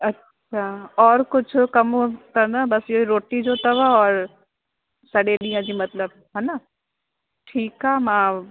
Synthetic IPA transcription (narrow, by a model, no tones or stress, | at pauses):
ɐtːɕʰaːɔːɾkʊd͡ʑʱʊkɐmt̪ɐnɐbɐsɪɦiɾoːʈid͡ʑot̪ɐʋɔːɾ | sɐɗeɗĩːə̃d͡ʑiːmɐt̪ləb | ɦɛnə | ʈʰiːkaːmãː